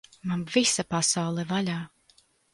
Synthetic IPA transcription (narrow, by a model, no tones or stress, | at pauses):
manvisapasawlˠɛvalʲaː